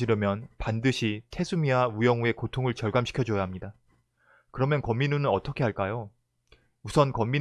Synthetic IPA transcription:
iɾʌmjʌnpandɯɕʰitʰe̞sʰumiaujʌŋue̞kotʰoŋɯɭt͡ɕʌɭɡamɕi̥kʰjʌd͡ʑojaɦamɲida | kɯɾʌmjʌnkʌmːinunɯnʌt͈ʰʌkʰe̞ɦaɭk͈ajo | musʰʌnkʌmːin

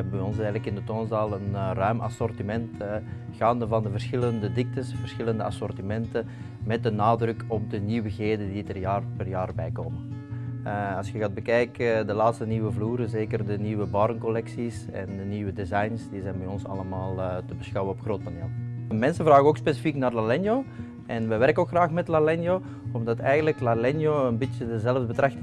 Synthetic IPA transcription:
ɛbəbɛjɔnsɛːjɣələkɪndətoːnzaːlˠənrœɥmʔɑ̰sɔrtimɛntːɣaːndəvɑndəvərsxɪləndədɪk̚təsvərsxɪləndəɑ̰sɔrtimɛntə | mɛt̚dənaːdrɵkɔb̚dəniwəɣeːdəditərjaːrpɛrjaːrbɛjkoːmən | ɑlskəɣaːd̚bəkɛjkdəlaːtstəniːʋəvluːɾəzeːkərdəniːʋəbɑɾənkɔlɛksisɛ̰ndəniːʋədezɑjnsd̥izɛjnbɛjɔnsɑ̰ləmaːlˠtəbəsxɑwənɔpxroːt̚paneːlˠmɛnsəvraːɣəoːkspeːsifiknaːrlalɛnjoː | ʔɛnʋɛʋɛrkəokxraːxmɛtlalɛnjo | ɔmdɑtɛjɣəndələklalɛnjoːənbitjədəzɛləvdəbətrɑxt

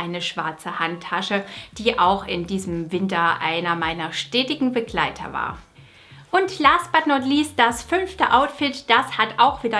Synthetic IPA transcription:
aɪnəʃv̥a̰ɐt͡səhantʰːaʃəd̥iːʔaʊxɪndiːzəmvɪntɐʔa̰ɪnɐmaɪnɐʃtɛːtɪɡŋ̩bəɡlaɪtʰɐ̰va̰ːɐ | ʔʊntlaːsb̥atnɔtliːs̚d̥asfʏnftəʔaʊtfɪtd̥ashataʊxv̥iːdɐ

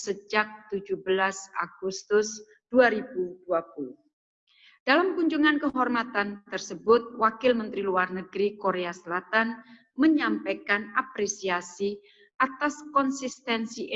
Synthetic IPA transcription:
səd͡ʒak̚t̪ud͡ʒubəlasa̰ɡ̥ust̪ʊs | d̥uaɾibuduapulʊh | d̥alamkuɲd͡ʒuŋankəɦɔrmat̪ant̪ərsəbʊt̪̚wakɪlmənt̪ɾiluarnəɡɾikoɾeasəlat̪an | məɲampakanapɾesiasi | ʔat̪askɔnsist̪ɛnsiʔ

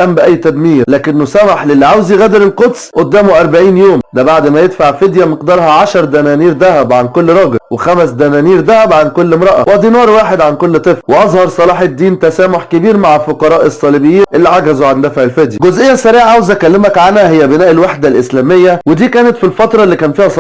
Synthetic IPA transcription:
ʔæmbeʔæjːt̪æd̪miːɾlæːkenːosæmaħlelːiʕawziɣæːd̪eɾelqot̪sˤʔod̪ːæːmoʔɑɾˤbaʕiːnjoːmd̪æbaʕd̪mæjed̪faʕfed̪jæmeqd̪ɑːɾˤhɑʕaʃɑɾˤd̪ænæːniːɾd̪æhæbʕankolːɾˤɑːɡelwexæmæsd̪ænæːniːɾd̪æhæbʕankolːmɾˤɑʔæ̰wʔæd̪iːnɑːɾˤwaːħed̪ʕankolːt̪ˤɨflweʔɑzˤhɑɾˤsˤɑlɑːħed̪ːiːnt̪æsæːmoħkebiːɾmaʕfoqɑɾˤɑːʔesˤːɑlibejːiːnʔelːiʕaɡæzoʕand̪æfaʕelfed̪jæɡozʔejːæsæɾiːʕaʕawzækælːemækʕanhæhejːæbenæːʔelwaħd̪ælʔeslæːmejːæwed̪iːkæːnet̪filfɑt̪ɾˤɑlːiːkæːnfiːhæsˤ

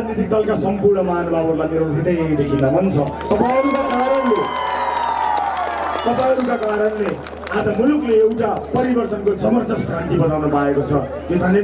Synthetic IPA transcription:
d͡znit̪ik̚d̪ʌlkasʌmpurɳʌmanubʱabʌɾlaniɾt̪ʰit̪ʌ̃j̃d̪ekʰilːamʌnt͡sʰʌ | t̪ʌpaʌɾukakaɾʌnle | t̪ʌpãʌɾukakaɾʌnle | ad͡zʌmulukleewʈapʌɾibʌrt̪ʌnkod͡zʱʌbʌrt͡sʌskɾaɳʈibʌt͡sawnopaekot͡sʰʌ | jod̪ʱʌnːje

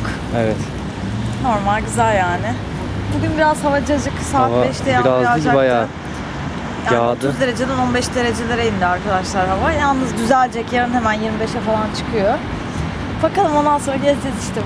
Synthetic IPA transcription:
k | evɛt̪ | no̞ɾmalʲɟyzælʲjaːnɪ | buɟʲynbiɾaz̥havad͡ʒad͡ʒɯksaːtbɛʃt̪ʰɛjaaaɯd͡ʒabaja | jadt̪ʰuzd̪e̞ɾe̞d͡ʒed̪ɛno̞nbɛʃd̪e̞ɾe̞d͡ʒelʲeɾejind̪iaɾkʰad̪aʃlˠaɾɦavajalˠnɯzɟyzælʲd͡ʒɛcjaɾɯnhemænjiɾmibeʃɛfalˠant͡ʃʰɯ̥kʰɯjo | bakalˠɯmo̞nd̪anso̞nɾaɟɛzd͡ʒɛziʃt̪ʰɛ

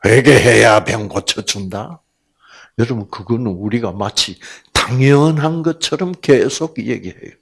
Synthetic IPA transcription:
ɸweɡeɦejapjʌŋɡot͡ɕʰʌt͡ɕunda | jʌɾʌbunkɯɡʌnɯnuɾiɡamat͡ɕʰitaŋjʌnɦanɡʌt͡ɕʰʌɾʌmkesʰoɡjḛɡihḛjo

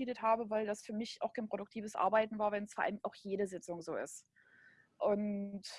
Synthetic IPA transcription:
iːdəthaːbəvaɪldasfyːɐmɪçʔa̰ʊxkʰaɪnpʁ̥oɾʊk̚tʰiːvəsʔa̰ɐbaɪtn̩vaːɐvɛnsfoɐʔa̰lʔaʊxjeːɾəzɪt͡sʊŋzoːɪ̰st | ʔʊnt

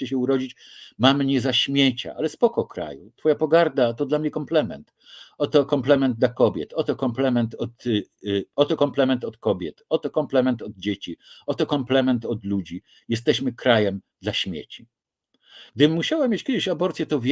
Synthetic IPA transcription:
ɛɕ̬ɛuɾɔd͡ʑit͡ɕ | mamɲɛzaɕmʲjet͡ɕa̰ʔalɛspɔkɔkɾa̰jṵt̪fɔjapɔɡaɾd̪at̪ɔd̪lamɲɛkɔmplɛmɛ̰nt̪ | ɔt̪ɔkɔmplɛmɛnd̪̚d̪lakɔbʲjɛ̰t̪ɔt̪ɔkɔmplɛmɛnt̪ɔt̪ | ɔt̪ɔkɔmplɛmɛnt̪ɔt̪kɔbʲjɛt̪ɔt̪ɔkɔmplɛmɛnt̪ɔd̪̚d͡ʑet͡ɕiɔt̪ɔkɔmplɛmɛnt̪ɔd̪lud͡ʑi | jɛst̪ɛɕmɘkɾajɛmd̪laɕmʲjḛt͡ɕi | ɡ̥̚d̪ɘmːuɕawamʲjet͡ɕkʲɛd̪ɪɕabɔɾt̪sʲjɛt̪ɔvʲ

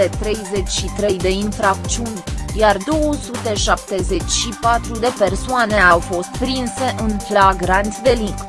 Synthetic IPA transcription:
e̞t̪ɾe̞jze̞t͡ʃʲʃit̪ɾe̞jd̪e̞infɾak̚t͡ʃiunʲjard̪o̞wosut̪e̞ʃap̚t̪e̞ze̞t͡ʃʲʃipat̪ɾud̪e̞pe̞rsoane̞awfo̞st̪̚pɾinse̞ʔɨnflaɡɾant̪sʲd̪e̞liŋɡ

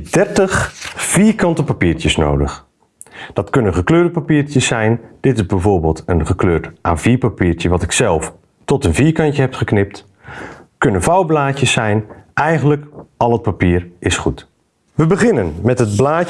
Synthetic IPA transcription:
dɛɹtəχv̥iːɹkɑntəpapiːɹcəsno̰wdəχ | d̥ɑtkɵnənχəkløːɹdəpapiːɹcəsːɛjnd̥ɪtɪzbɛjvoːɹbɪːlˠtənχəkløːɹtʔaːviːɹpapiːɹcəʋɑtɪksɛlˠf | tɔtənviːɹkɑntəɦɛpχəknɪp̚t | kɵnənvawblaːcəsːɛjnʔɛjχənləkɑlˠət̚papiːəɹʔɪsχut | ʋəbəχɪnənmɛtɦəd̚blaː

